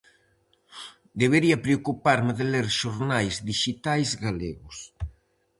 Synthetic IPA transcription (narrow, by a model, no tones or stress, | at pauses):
d̪eβeɾiɐpɾeokupaɾmɪðeleɾʃoɾnajzd̪iʃit̪ajzɡaleɣʊs